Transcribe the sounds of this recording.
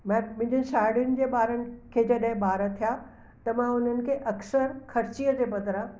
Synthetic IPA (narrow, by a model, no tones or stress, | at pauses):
mãmɪ̃dʱʊnɪʃaːɪɽijʊnɪ̆d͡ʑeːɓaːɾənɪ̆kʰeːd͡ʑɐɗɦɪ̃ɓaːɾət̪ʰijaː | t̪ɐmãʊn̤ənɪ̆kʰeːʔɐksəɾxɐɾt͡ɕiəd͡ʑeːbɐd̪ʱɾã